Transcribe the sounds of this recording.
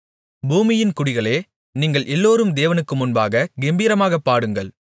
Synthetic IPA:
buːmɪjɪnkʊɽɪɣɐɭeː | niːŋɡɐɭʔɛlːoːɾɯmd̪eːʋɐnɯkːɯmʊnbaːɣɐɡɛmbiːɾɐmaːɣɐpːaːɽɯŋɡɐɭ

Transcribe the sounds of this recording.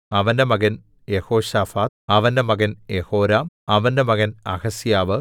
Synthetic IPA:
ɐʋɐndemɐɡɐn | jehoːɕaːfaːt̪̚ɐʋɐndemɐɡɐnjehoːɾaːm | ɐʋɐndemɐɡɐnɐɣɐsjaːʋɨ

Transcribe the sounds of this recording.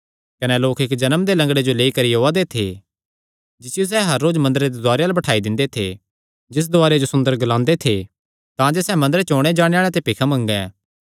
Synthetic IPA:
kɐnɛloːkɪkd͡ʒɐnəmd̪elɐ̃ŋɡɽed͡ʒoleːikɐɾiɦoːad̪et̪ʰḛ | d͡ʒɪsɪjos̬ɛːɦɐɾːoːd͡ʒmɐ̃nd̪əɾed̪ed̪aːɾejalɐbɐʈʰaːid̪ɪ̃nd̪et̪ʰḛ | d͡ʒɪs̬d̪ʊaːɾed͡ʒosʊ̃nd̪əɾɡɐlãːnd̪et̪ʰe | t̪ãd͡ʒesɛːmɐ̃nd̪əɾet͡ʃɔːɽ̃ed͡ʒaːɽ̃eaːɭ̃et̪epɪkʰamɐ̃ŋɡɛ̃ː

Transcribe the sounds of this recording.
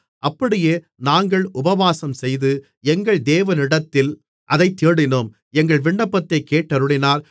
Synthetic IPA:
ʔɐpːɐɽɪjeː | naːŋɡɐɭʊbɐʋaːsɐmsɛjðɯ | ɛŋɡɐɭd̪eːʋɐnɪɽɐt̪ːɪl | ʔɐðɐɪt̪ːiːɽɪnɯm | ɛŋɡɐɭʋɪɳːɐpːɐt̪ːɐɪkːeːʈːɐɾɯɽɪnaːɾ

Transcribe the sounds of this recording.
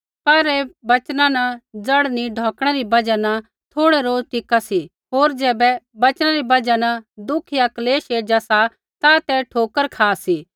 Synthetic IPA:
pɐɾɛbɐt͡ʃnãnɐd͡zɐɽniɖʱɔ̃ːkɽ̃ɛɾibɐd͡ʒanɐ | t̪ʰoːɽɛɾoːd͡ʒʈɪkasi | ɦoːɾd͡ʒɛːbɛbɐt͡ʃnãɾibɐd͡ʒanɐd̪ʊkʰijakɐleːʃeːd͡ʒasa | t̪at̪ɛʈʰoːkəɾkʰaːsi

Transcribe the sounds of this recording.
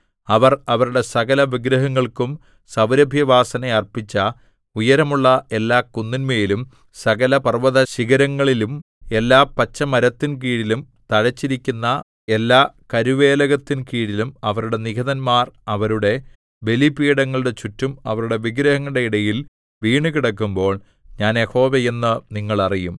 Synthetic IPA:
ɐʋɐrɐʋɐɾuɽe̞sɐɣɐlɐʋiɡɾɐɦɐŋːɐɭkum | sɐʋɾɐbʱjɐʋaːsɐnɐɐrpit͡ɕːɐ | ujɐɾɐmuɭːɐe̞lːaːkunːinmeːlum | sɐɣɐlɐpɐrʋɐðɐɕiɣɐɾɐŋːɐɭilum | e̞lːaːpɐt͡ɕːɐmɐɾɐt̪ːink̬iːɽilum | t̪ɐɻɐt͡ɕːiɾikʲːunːɐ | e̞lːaːkɐɾuʋe̞ːlɐɣɐt̪ːinkiːɽilumɐʋɐɾuɽe̞niɡɐðɐnmaːrɐʋɐɾuɽe̞ | ʋe̞lipiːɽɐŋːɐɭuɽe̞t͡ɕutːumɐʋɐɾuɽe̞ʋiɡɾɐhɐŋːuɽe̞iɽɐjil | ʋiːɳukiɽɐkːumbo̞ːɭ | ɲaːnje̞ho̞ːʋeje̞nːɨniŋːɐɭɐrijum

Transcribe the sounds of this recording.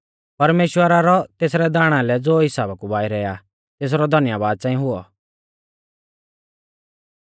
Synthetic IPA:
pɐɾmeːʃwəɾaɾɔt̪eːsɾɛd̪aːɽ̃ãlɛd͡zoːɦɪsaːbakubaːiɾɛːja | t̪eːs̬ɾɔd̪ʱɐnɪjaːbaːd̪̚t͡sãːĩɦʊɔ

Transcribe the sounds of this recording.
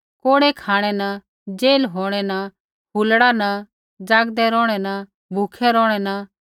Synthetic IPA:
koːɽɛkʰaːɽ̃ɛnɐ | d͡ʒeːlɦoːɽ̃ɛnɐ | bulɽanɐ | d͡ʒaːɡd̪ɛɾɔːɽ̃ɛnɐ | bʱukʰɛɾɔːɽ̃ɛnɐ

